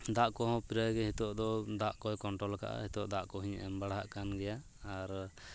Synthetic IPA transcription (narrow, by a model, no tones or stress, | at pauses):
d̪aʔkɔhɔ̃piɾajɡɛhit̪ɔʔd̪ɔd̪aʔkɔjkɔɳʈɾɔlka̰ʔa̰hit̪ɔʔd̪aʔkɔɦiɲʔɛmbaɽɦaʔkanɡɛjaː | ɾ